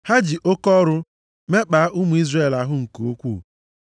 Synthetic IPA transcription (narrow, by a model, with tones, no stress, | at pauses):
ha˦d͡ʒɪ˨ʔo˦kɔ˦ɾʊ˦ | me˦k͡pa˨a˦ʔʊ˦mu˨i˦zre˦˨la˨ɦʊ˦ŋ̩˨ko˨o˦kʷṵ˦˨